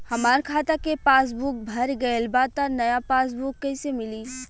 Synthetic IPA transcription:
hɐmaːɾkʰaːt̪akepaːs̬buk̚bʱɐɾɡɐelbaːd̪̚t̪anɐjapaːs̬bukːɐɪsemɪliː

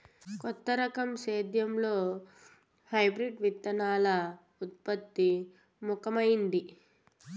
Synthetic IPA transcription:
kɔt̪ːɐɾɐkɐmʃeːd̪ʱjɐmlo̞ː | hɐjbɾiɖʋit̪ːɐnaːlɐ | ut̪̚pɐt̪ːi | mukɐmɐjind̪i

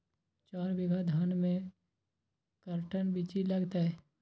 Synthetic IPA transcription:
t͡ʃaːɾbɪɡʱəd̪ʱənmẽ | kəɾʈənbit͡ʃilɐɡt̪aɛ

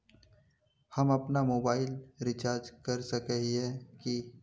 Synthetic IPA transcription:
hɐmɐpnamoːbaːɪlɾɪt͡ʃaːɾd͡ʒkɐɾsɐkəɦiɛki

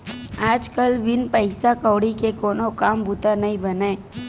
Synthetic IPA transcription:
aːd͡ʒkəlʋɪnpəɪsakɔːɽikekoːnokaːmbut̪anɐɦĩbɐneː

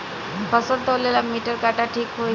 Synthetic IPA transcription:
pəsənt̪əlelamiʈəɾkaʈaʈʰiːkɦo

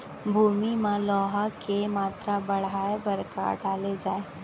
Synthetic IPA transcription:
bʱuːmimãlɔːɦakemaːt̪ɾabɐɽ̤aːebɐɾka̰ɖaːled͡ʒaːeː

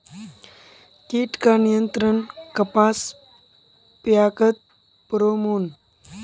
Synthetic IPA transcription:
kiːʈkaːnijənt̪ɾənkɐpaːs | pjaːkət̪̚ | pɾoːmuːn

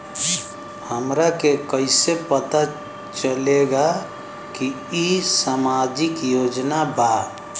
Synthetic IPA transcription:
həmɾakekəɪsepət̪a | t͡ʃəleɡa | ki | isamad͡ʒɪkjoːd͡ʒnaba

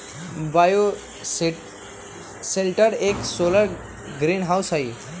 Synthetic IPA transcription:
bajo | selʈəɾeksoləɾ | ɡɾinɦawsɦəj

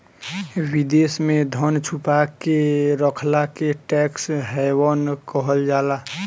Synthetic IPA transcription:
wid̪eːsmẽd̪ʱənt͡ʃʰupakeɾəkʰlakeʈɛksɦɛwənkəɦəld͡ʒaːla

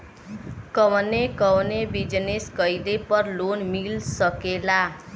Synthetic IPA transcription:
kəʋnekəwnebid͡ʒneskəjdepəɾlonmilsəkela

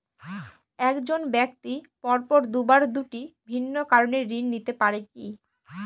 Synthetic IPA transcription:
ɛkd͡ʑonbɛkt̪ipɔɾpɔɾd̪ubaɾd̪uʈibʱinːokaɾoneɾinːit̪epaɾeki

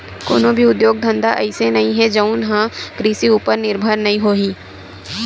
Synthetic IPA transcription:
ko̰ːnõbʱiʊd̪joːɡ̚d̪ʱɐ̃nd̪aʔɐɪsenɐɦĩɦɛd͡ʒɐʊnɦãɡɾiːsiuːpəɾnɪɾbʱəɾnɐɦĩɦoːɦiː

